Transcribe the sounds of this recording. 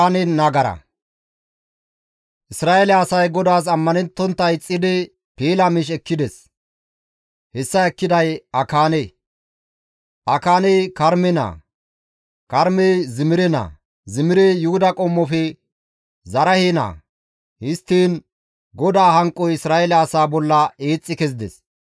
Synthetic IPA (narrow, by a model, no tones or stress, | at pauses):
nɛnɐɡɐɾɐ̰ | ʔɪsɾaːɛlɛɐsɐjɡɔd̪aːs̬ɐmːɐnɛnt̪ːɔnt̪ːɐjt͡sʼːɪd̪ɪ | piːlɐmɪʃ̬ɛkːɪd̪ɛs | hɛsːɐɛkːɪd̪ɐjɐkaːnɛ | ʔɐkaːnɛjkɐɾmɛna̰ː | kɐɾmɛjzɪmɪɾɛna̰ː | zɪmɪɾɛjʊhʊd̪ɐkʼɔmːɔfɛ | zɐɾɐheːna̰ː | hɪst̪ːiːn | ɡɔd̪aːhɐŋkʼːɔjɪsɾaːɛlaɐsaːbɔlːɐeːt͡sʼːɪkɛzɪd̪ɛ̰s